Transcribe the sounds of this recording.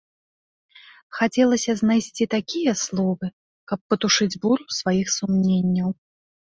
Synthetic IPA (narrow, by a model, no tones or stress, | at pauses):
xat͡sʲɛlˠɐsʲɐznajsʲt͡sʲit̪akʲijɐslˠɔvɨ | kɐpːɐt̪uʂɨd͡zʲbuɾusvajixsumnʲenʲːɐw